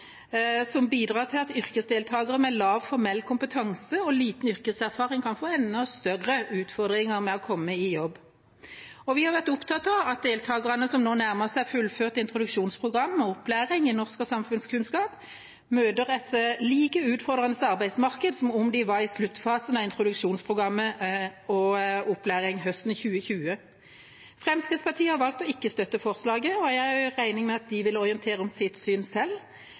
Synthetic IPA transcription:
sɔmbiːd̪ʁɑːt̪ʰɪlɑt̪ʏʁkəsd̪eːlt̪ʰɑːɡəʁəmɛlɑːʋfɔʁmɛlːkʰʊmpət̪ʰɑŋsəɔliːt̪n̩ʏʁkəsæʁfɑːʁɪŋkʰɑnfoːɛnːɔst̪œʁːəʉːt̪fɔʁd̪ʁɪŋəʁmɛɔkʰɔmːəɪjɔbː | ɔʋɪhɑʁʋæʁt̪ʊpt̪ʰɑt̪ɑɑt̪̚d̪eːlt̪ʰɑːɡəʁɑnəsɔmnoːnæʁməsæɪfʉlføːʁt̪ɪnt̪ʁʊd̪ʉkʃuːnspʰʁʊɡʁɑmːɔɔplæːʁɪŋɪnɔʁskəsɑmfʉnskʰʉnskɑːp | møːd̪əʁɛt̪liːkəʉːt̪fɔʁd̪ʁɑnəsɑʁbæɪsmɑʁkəd̪sɔmʊmd̪ɪʋɑʁɪslʉt̪ːfɑːsənɑɪnt̪ʁʊd̪ʉkʂuːnspʰʁʊɡʁɑmːəɔʊpːlæːʁɪŋɦœst̪n̩çʉːəçʉːə | fʁɛmskʰəspʰɑt̪ʰiːəhɑʁʋɑlkt̪ɔɪkːəst̪œt̪ːəfɔʁslɑːɡəɔjææʁæɪnɪŋmɛɑt̪̚d̪ɪʋɪlɔʁɪənt̪ʰeːʁəɔmsɪt̪syːnsɛl

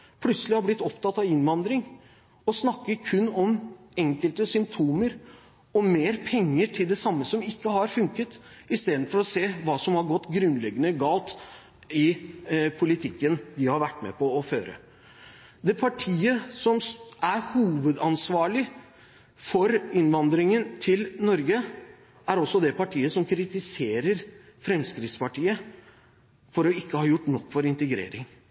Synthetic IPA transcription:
pʰlʉt̪səlɪhɑɾblɪt̪ːɔpt̪ʰɑt̪ːɑʋɪnʋɑnd̪ɾɪŋ | ɔsnɑkːəɾkʰʉnːɔm | ɛŋkəlt̪əsʏmp̚t̪ʰuːməɾ | ɔmeːɾpʰɛŋːəʈʰɪld̪ɛsɑmːəsɔmɪkːəhɑɾfʉŋkət̪ | ɪst̪eːd̪n̩fɔɾɔseːʋɑːsɔmhɑɾɡɔt̪ːɡɾʉnːlɛɡːənəɡɑːlt̪ | ɪpʰʊlɪt̪ʰɪkːənd̪ɪhɑɾʋæʈːmɛ̰pʰɔːføːɾə̰ | d̪ɛpʰɑʈʰiːəsɔmæɾhuːʋəd̪ɑnsʋɑːɭɪ | fɔɾɪnʋɑnd̪ɾɪŋənt̪ʰɪlnɔɾɡə | æɾɔsːɔd̪ɛpɑʈʰiːəsɔmkʰɾɪt̪ɪseːɾəɾfɾɛmskɾɪt̪spɑʈʰiːə | fɔɾɔɪkːəhɑːjʊʈːnɔkːfɔɾɪnt̪əɡɾḛːɾɪŋ

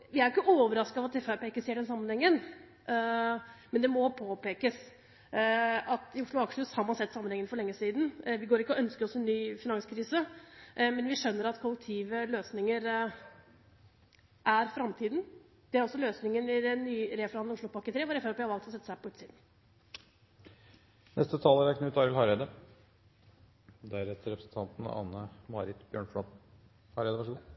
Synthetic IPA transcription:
ʋɪæɾɪkːəʔoːʋəɾɑsk̪ɑʋɑt̪ɛfæpeːkəseːɖɛnsɑmənhɛŋːən | mɛnd̪ɛmɔpʰoːpeːkəs | ɑt̪ɪʊʂɭʊɑkʂʉshɑɾmɑnsɛt̪ːsɑmːənɛŋːənfɔɾɭɛŋːəsiːd̪nʋɪɡoːɾɪkəɔœnskəɔsɛnːyːfɪnɑŋskʰɾiːsə | mɛnʋɪʂœnːəɾɑt̪kʰɔlːək̚t̪ʰiːʋəløːsnɪŋəɾ | ʔæɾfɾɑmt̪ʰiːd̪n̩ | d̪̥ɛæɾɔsːɔløːsnɪŋənɪd̪ɛnːyːɾeːfɔɾhɑnŋʊʂɭlʊpɑkːət̪ʰɾeːʋʊɾɛft̪ʋɪhɑɾʋɑlkt̪ɔsɛt̪ːəsæhpɔʉːt̪siːd̪n̩ | nʔɛ̰st̪ət̪ʰɑːləɾæknəʉːt̪ɑːɾɪlhɑɾɛd̪ə | d̪ææɾɛt̪ːəɾɛpɾəsn̩t̪ʰɑnt̪n̩ɑ̰ːnəmɑɾɪt̪bjøːɳfɽɑt̪n̩ | hɑɾɛd̪əʋæʂəɡuː

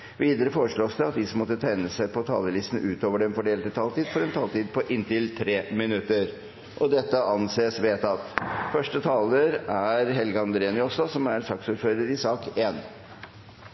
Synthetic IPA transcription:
ʋiːd̪əɾəfoːɾəʂɭoːsd̪ɛɑt̪̚d̪ɪsɔmːɔt̪ːət̪ʰæɪnəsæɪpʰɔt̪ʰɑ̰ːləlɪst̪n̩ʉːt̪oːʋəɖɛnfɔɖeːlt̪ət̪ʰɑːlt̪iːd̪fɔɾɛnt̪ʰɑːlt̪iːd̪̚pʰɔʔɪnt̪ɪlt̪ʰɾeːmɪnʉt̪ːəɾ | ʔɔd̪ɛt̪ːəʔɑnseːsʋeːt̪ɑt̪fœʂʈət̪ʰɑːləɾæɾɦɛlɡəɑnd̪ɾeːnʏɔsɔsɔmæɾsɑksuːɾføːɾəɾɪsɑːkeːn

